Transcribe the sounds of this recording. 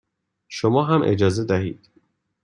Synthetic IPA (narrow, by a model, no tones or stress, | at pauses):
ʃomɒːɦæmʔe̞̰d͡ʒɒːze̞d̪æɦiːd̪̥